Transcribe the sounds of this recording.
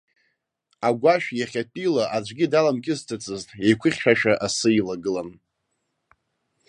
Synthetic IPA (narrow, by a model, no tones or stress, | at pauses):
aɡʷaʃᶣjaχʲatʼilaʔad͡ʒʷɡʲɪdalamkʲʼɪztʰʼat͡sʼɨztʼejkʷʰɨχʲʃᶣaʃᶣaʔasɨilaɡɨlan